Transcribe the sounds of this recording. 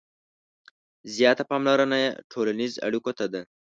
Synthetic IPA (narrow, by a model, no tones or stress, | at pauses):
zjɑt̪apɑmlaɾanajaʈʰolaniza̰ɽikot̪ad̪a